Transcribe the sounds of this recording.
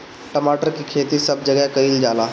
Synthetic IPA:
ʈəmaːʈəɾkikʰeːt̪isɐb̚d͡ʒɐɡɛkɐild͡ʒaːlaː

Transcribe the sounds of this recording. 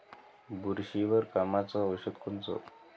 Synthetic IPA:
buɾɕiʋəɾkamat͡sɔʋəɕət̪kʰont͡sɔ̰

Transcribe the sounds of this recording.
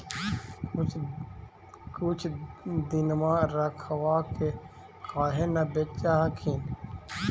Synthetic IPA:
kut͡ʃʰd̪inmãɾɐkʰɐwaːke | kaːɦenabet͡ʃaɦakʰin

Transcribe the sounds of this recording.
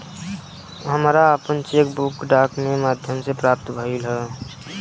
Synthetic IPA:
ɦəmɾaəpənt͡ʃeːkbukɖaːkmemaːd̪ʱjəmsepɾaːp̚t̪bʱəilɦɛː

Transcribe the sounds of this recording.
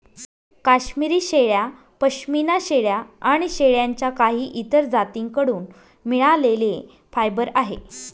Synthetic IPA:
kaɕmiɾiːɕeɭja | pəɕminaɕeɭjaːɽ̃iɕeɭjaɲt͡ɕjakaɦiːʔit̪əɾd͡zat̪iŋkəɽuːn | miɭalele | fajbəɾaɦḛ

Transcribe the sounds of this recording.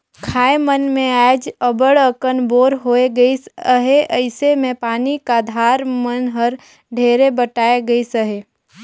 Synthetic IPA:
kʰaːemənmẽaːd͡ʒəbəɽəkənboːɾɦoːeɡəisəɦeʔəɪsemẽpaːnikad̪ʱaːɾmənɦəɾ | ɖʱeːɾebəʈaːeɡəisəɦeː

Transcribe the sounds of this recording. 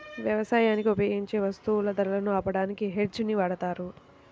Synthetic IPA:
ʋjɐʋɐsaːjaːnikiupeːɡiɲt͡ʃe̞ːʋɐst̪uulɐd̪ɐɾɐlɐnuaːpɐɽaːnikiɦeɖt͡ʃuniʋaːɽɐt̪aːɾu

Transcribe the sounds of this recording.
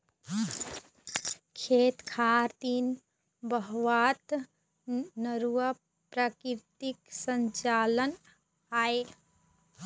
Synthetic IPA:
kʰet̪kʰaɾt̪in | bəɦʋat̪ | nəɾuə | pɾakiɾt̪iksəɲt͡ʃalən | ae

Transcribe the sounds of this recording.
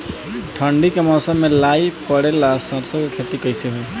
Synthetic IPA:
ʈʰɔɳɖikemɔsɔmːelajpɔɽɛlasɔɾsɔkukʰet̪ikɔjsɛɦoj

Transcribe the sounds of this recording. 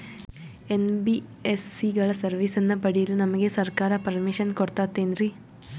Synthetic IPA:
enbi | esːiɡɐɭɐsɐrʋisenːɐpɐɽijilnɐmɐɣesɐrkaːɾɐpɐrmiʂɐnkoɽɐt̪ːaːt̪ːeːnri

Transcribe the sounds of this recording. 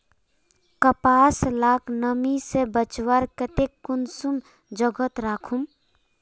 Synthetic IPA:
kəpaslaːknəmisebət͡ʃwaɾkət̪ekːʊnsum | d͡ʒəɡət̪ɾaːkʰum

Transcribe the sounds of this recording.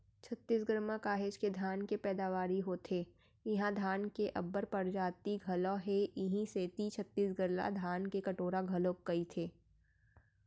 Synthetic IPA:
t͡ʃʰɐt̪ːiːsɡəɾmãkaːɦed͡ʒked̪ʱaːnkepɛːd̪aːʋaːɾiɦoːt̪ʰeː | ɪɦãd̪ʱaːnkeʔɐbːəɾpɐɾd͡ʒaːt̪iɡʱɐlɔ̃ɦeʔɪɦĩseːt̪it͡ʃʰɐt̪ːiːsɡəɾla̰d̪ʱaːnkekɐʈoːɾaɡʱɐlõkkɐit̪ʰeː

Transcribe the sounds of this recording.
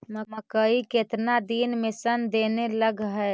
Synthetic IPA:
məməkəiket̪nad̪inmesənd̪eneləɡɦɛ

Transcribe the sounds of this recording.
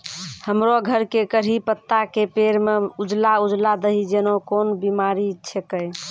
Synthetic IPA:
həmɾoɡʱəɾkekəɾɦipət̪ːakepeɾmeud͡ʒlaud͡ʒlad̪əɦid͡ʒenokonbimaɾit͡ʃʰekəj

